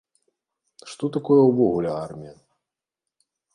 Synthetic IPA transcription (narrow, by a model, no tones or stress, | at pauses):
ʂt̪ɔt̪akɔjɛwvɔɣulʲɛarmʲijɐ